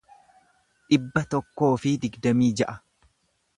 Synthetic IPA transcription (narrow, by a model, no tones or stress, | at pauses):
ᶑɪbːɐt̪ɔkːo̞ːfɪd̪ɪɡd̪ɐmiːd͡ʒɐʔɐ